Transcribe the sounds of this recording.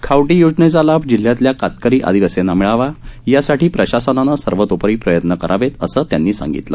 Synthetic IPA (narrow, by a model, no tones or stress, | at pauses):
kʰawʈiːjud͡zɳet͡salabd͡ʑil̤ːjat̪ljakat̪kəɾiːʔa̰d̪iʋəsenamiɭaʋajasaʈiːpɾəɕasənanasəɾʋət̪opəɾiːpɾəjət̪nəkəɾʔaʋet̪əsəːt̪janːiːsã̰ŋɡḭt̪lə̰